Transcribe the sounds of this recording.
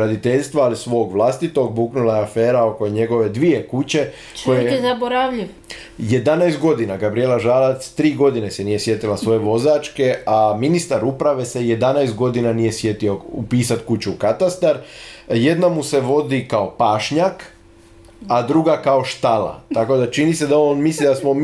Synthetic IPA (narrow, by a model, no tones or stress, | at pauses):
ɾad̪it̪eʎst̪ʋaːlisʋo̞ːɡʋlˠast̪it̪o̞ɡ̚buːknulajeafeːɾao̞ko̞ɲe̞ɡo̞ʋe̞d̪ʋije̞kut͡ɕe̞ | t͡ʃojeezaboɾaʋʎiʋ | jed̪anajst̪̚ɡo̞d̪inaɡabɾijelaʒaːlat̪st̪ɾiːɡo̞d̪ine̞senije̞sje̞t̪ilasʋo̞je̞ʋo̞zaːt͡ʃke̞aminist̪aɾupɾaʋe̞se̞je̞d̪anajst̪̚ɡo̞d̪inanije̞sje̞t̪io̞upiːsat̪kut͡ɕukat̪ast̪aɾje̞d̪namuse̞ʋo̞d̪ikao̞paːʃɲak | ad̪ɾuɡakao̞ʃt̪ala̰t̪ako̞d̪at͡ʃinise̞d̪aonmislid̪asmo